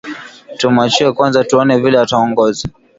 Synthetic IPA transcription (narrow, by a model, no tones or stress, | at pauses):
tumat͡ʃiɛkwanzatuɔnɛvilɛataɔŋɡɔza